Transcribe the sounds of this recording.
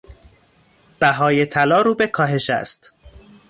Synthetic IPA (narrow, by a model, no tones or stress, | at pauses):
b̥æɦɒːje̞t̪ʰælɒːɾuːbe̞kʰɒːɦe̞ʃæ̰st̪